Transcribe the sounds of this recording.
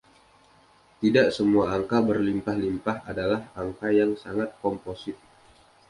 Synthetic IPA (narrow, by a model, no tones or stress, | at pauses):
t̪idaʔsəmuaːŋkabərlimpahlimpahadalahaŋkajaŋsaŋat̪̚kɔmposɪt̪̚